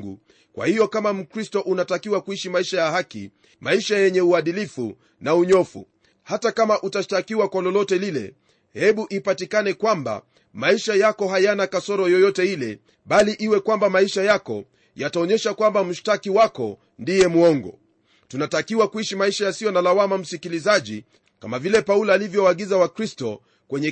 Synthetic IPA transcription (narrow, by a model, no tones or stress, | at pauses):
ɡṵ | kwa̰hijɔkamam̩kɾistɔʔunatakiwakuiʃimaiʃajaɦakḭ | maiʃajɛɲɛuaɗilifṵ | nauɲɔfṵ | hatakamaʔutaʃtakiwakwalɔlɔtɛlilɛ̰ | hɛɓuʔipatikanɛkwamba̰ | maiʃajakɔɦajanakasɔɾɔjɔjɔtɛilɛ | ɓaliʔiwɛkwambamaiʃajakɔ̰ | jataɔɲɛʃakwambam̩ʃtakiwakɔ | ndijɛmuɔŋɡɔ̰ | tunatakiwakuiʃimaiʃajasijɔnalawamam̩sikilizaʄi | kamavilɛpaulaːlivjɔwaːɠizawakɾistɔ̰ | kwɛɲɛ